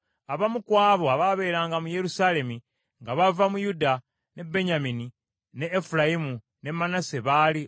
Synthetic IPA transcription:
aβamukwaːβo̞aβaβe̞ːɾaːŋɡamuje̞ɾusale̞mi | ŋɡaβavamujuda | ne̞be̞ɲamini | neːfulajimu | ne̞mːanaseβaːli

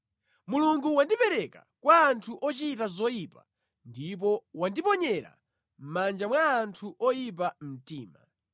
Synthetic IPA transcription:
muluŋɡuwandipɛɾɛka̰kwaːntʰuʔɔt͡ʃitazɔjipa | ndip̬ɔwandipɔɲɛɾa̰ | m̩mand͡ʒamwaːntʰuʔɔjip̬am̩tiːma̰

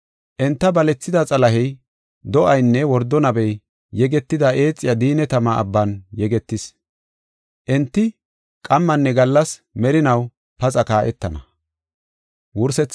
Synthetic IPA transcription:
ʔɛnt̪ːɐbɐlɛt͡sːɪd̪ɐt͡sʼɐlɐɦɛj | d̪ɔʔɐjnːɛwɔɾd̪ːɔnɐbɛj | jɛɡɛt̪ːɪd̪ɐʔe̞ːt͡sʼːɪjɐd̪iːnɛt̪ɐmɐʔɐ̰bːɐnjɛɡɛt̪ːɪs | ʔɛnt̪ːɪ | kʼɐmːɐnːɛɡɐlːɐsmɛɾɪnɐw | pɐt͡sʼɐkaːʔɛt̪ːɐnɐ | wʊɾsɛt͡sː

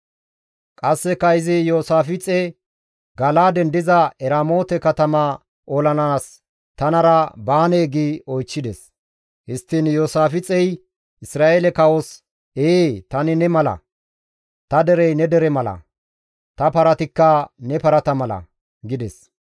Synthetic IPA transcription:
kʼɐsːɛkːɐɪzɪjo̞ːsaːfɪt͡sʼɛ | ɡɐlaːd̪ɛnd̪ɪzɐɛɾaːmo̞ːt̪ɛkɐt̪ɐmɐ | ʔolɐnaːs | t̪ɐnɐɾɐbaːneːɡiɔjt͡ʃːɪd̪ɛs | hɪst̪ːɪnjo̞ːsaːfɪt͡sʼɛj | ʔɪsɾaːʔeːlɛkɐwos | eːt̪ɐnɪnɛmɐlɐ̰ | t̪ɐd̪ɛɾɛjnɛd̪ɛɾɛmɐlɐ̰ | t̪ɐpɐɾɐt̪ɪkːɐnɛpɐɾɐt̪ɐmɐlɐ̰ | ɡɪd̪ɛs

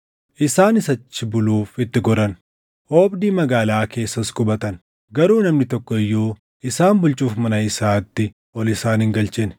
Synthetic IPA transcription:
ʔɪsaːnɪsɐt͡ʃːɪbʊluːfɪt̪ːɪɡɔɾɐn | oːbd̪iːmɐɡaːlaːke̞ːsːɐskʼʊbɐt̪ɐn | ɡɐɾuːnɐmnɪt̪ɔkːɔɪjːoː | ɪsaːnbʊlt͡ʃʼuːfmɐnɐɪsaːt̪ːɪ | ɔlɪsaːnɪŋɡɐlt͡ʃɛn

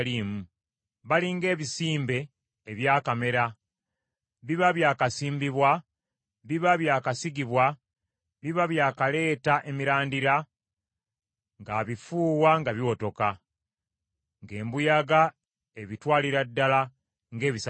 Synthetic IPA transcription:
liːmu | βaliŋɡe̞ːβisiːmbe̞ː | βjaːkame̞ɾa | βiβaβjaːkasiːmbiβwa | βiβaβjaːkasiɡiβwa | βiβaβjaːkale̞ːtaʔe̞miɾaːndiɾa | ŋɡaːβifuːwaŋɡaβiwoto̞ka | ŋɡe̞ːmbujaɡa | eβitwaːliɾadːala | ŋɡe̞ːβis

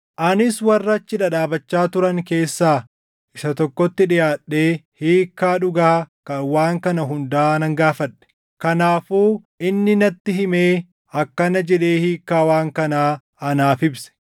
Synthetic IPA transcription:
ʔɐnɪswɐrːɐt͡ʃːɪᶑɐᶑaːbɐt͡ʃːaːt̪ʊɾɐŋke̞ːsːaː | ʔɪʃɐt̪ɔkːɔt̪ːɪᶑɪjaːᶑːeːhiːkːaːᶑʊɡaːkɐwaːŋkɐnɐɦʊnd̪aːnɐŋɡaːfɐᶑːɛ̥ | kɐnaːfuːʔɪnːɪnɐt̪ːɪɦɪmeː | ɐkːɐnɐd͡ʒɛᶑe̞ːhiːkːaːwaːŋkɐnaː | ɐnaːfɪbsɛ̥

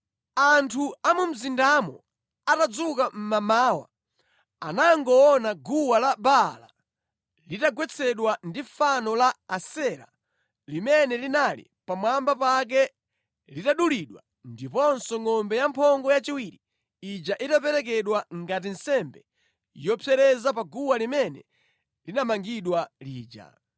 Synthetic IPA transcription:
antʰuamum̩zindamɔ̰ | atad͡zukam̩mamaːwa̰ | anaŋɡɔɔnaɡuwalabala̰ | litaɡwɛt͡sʰɛɗwandifanɔlaːsɛɾa̰ | limɛnɛlinalḭ | pamwambapak̬ɛ | litaɗuliɗwa̰ | ndipɔnsɔŋɔmbɛjampʰɔŋɡɔjat͡ʃiwiɾi | id͡ʒaʔitapɛɾɛk̬ɛɗwaŋɡat̬insɛmbɛ | jɔpʰɛɾɛzapaɡuwalimɛnɛ̰ | linamaŋɡiɗwaliːd͡ʒa̰

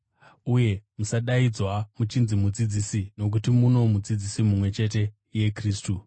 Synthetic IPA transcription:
uje̞musaɗaid͡zwamut͡ʃinzimud͡zid͡zisino̞k̬utimuno̞mud͡zid͡zisimumwe̞t͡ʃe̞t̬e̞ | je̞kriːstu

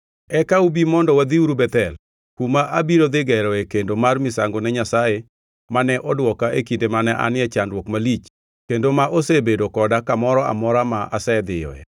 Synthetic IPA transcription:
ɛkaubimɔndɔwad̪iuɾubɛt̪ɛl | kumaʔabiɾod̪ɪɡɛɾɔɛkendomarmɪsaŋɡonɛɲasaje | manɛʔɔdwɔkaekindemanɛʔa̰nɪɛt͡ʃanɾwokmalit͡ʃ | kendomaʔosebedokɔdakamɔɾɔa̰mɔɾamaʔasɛd̪ɪjɔ̰ɛ̰

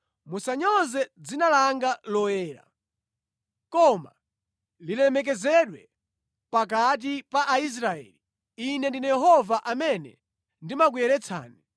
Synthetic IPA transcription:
musaɲɔzɛd͡zinalaŋɡalɔjɛːɾa̰ | kɔma̰ | lilɛmɛk̬ɛzɛɗwɛ | pak̬at̬ipaʔais̬ɾaɛ̰ːli | inɛndinajɛɦɔvaʔamɛnɛ̰ | ndimak̬ujɛɾɛt͡sʰa̰ːni

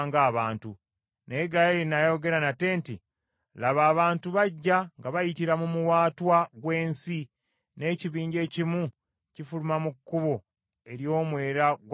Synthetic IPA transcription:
ŋɡaːβaːntu | neːɡajeɾinajo̞ɡe̞ɾanate̞ːnti | laβaːβaːntuβaɟːaŋɡaβajitiɾamumuwaːtwaɡwe̞ːnsi | ne̞ːciβiːɲɟe̞ːcimu | cifulumamukːuβo | e̞ɾjo̞ːmwe̞ːɾaɡw

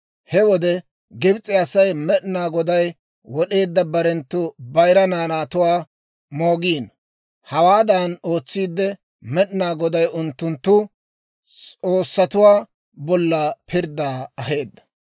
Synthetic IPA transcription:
hɛwɔd̪ɛ | ɡɪbt͡sʼːɪɐsɐjmɛɗnaːɡɔd̪ɐj | wɔɗe̞ːd̪ːɐbɐɾɛnt̪ːʊbɐjɾɐnaːnaːt̪ʊwaː | mo̞ːɡiːn | hɐwaːd̪anoːt͡sːiːd̪ːɛ | mɛɗɪnaːɡɔd̪ɐjʊnt̪ːʊnt̪ːʊ | t͡sʼo̞ːsːɐt̪ʊwaː | bɔlːɐpʰɪɾd̪ːaːɐɦe̞ːd̪ːɐ̥

